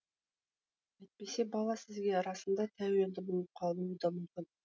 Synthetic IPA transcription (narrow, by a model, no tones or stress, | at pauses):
et̪̚pesebɑlˠɑsɪ̆zɡʲeɾɑsə̆nd̪ɑt̪ʰæwield̪ɪbulˠəp̚qʰɑlˠmumud̪ɑmɵmkʲɪn